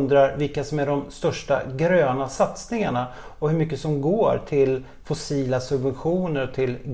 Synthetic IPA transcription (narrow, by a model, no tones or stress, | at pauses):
nd̪ɾaɾvɪlkasɔmæɖɔmst̪œʂʈa̰ɡɾøːnasat̪snɪŋaɳa | ɔhɵɾmʏkːəsɔmɡoːɾʈʰɪl | fʊsiːlasɵbvɛnɧuːnəɾɔt̪ʰɪl